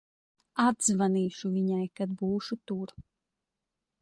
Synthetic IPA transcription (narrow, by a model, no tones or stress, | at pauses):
ad̪zvaniːʃuviɲajkad̪buːʃut̪uɾ